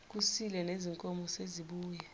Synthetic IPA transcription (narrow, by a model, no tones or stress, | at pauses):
k̬usilɛneziŋkʼɔmɔseziɓuːjɛ